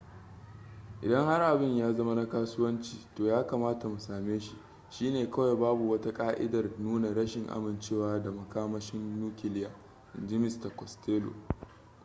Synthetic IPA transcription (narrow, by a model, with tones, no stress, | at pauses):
ʔɪ̰˨dɐ˦ŋha˦rʔa˨bɪ˦ɲjaː˦zɐ˦ma˦na˦kaː˦sʊ˦wɐ˦nt͡ʃiː˨toː˨jaː˦kaː˨maː˦ta˨mu˨saː˨meː˦ʃi˨ʔ | ʃiː˦neː˨kɐ˦wa˨baː˦bu˨wɐ˦ta˦kʼaː˦ʔɪ̰˦dɐ˨rnuː˦na˨ɽɐ˦ʃɪ˨ŋʔa̰˦mɪ˨nt͡ʃeː˦waː˦da˨mɐ˨kaː˦mɐ˦ʃɪ˦nːuː˦kʲɪ˨lɪ˦jaː˨ | ɪ˨nd͡ʒɪ˦mɪ˦sta˨kʷɔ˨steː˦lo̰˨